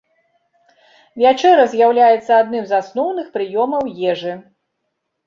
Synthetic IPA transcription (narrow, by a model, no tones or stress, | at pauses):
vʲat͡ʂɛɾɐzʲjawlʲajɛt̪sːɐad̪nɨmzasnɔwnɨxpɾɨjɔmɐwjɛʐɨ